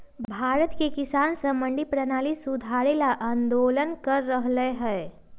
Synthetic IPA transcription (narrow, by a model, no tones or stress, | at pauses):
bʱbʱaːɾət̪kekisaːnsəməɳɖipɾənaːlisud̪ʱaɾelaʔənd̪oːlənkəɾːəɦləeɦɛe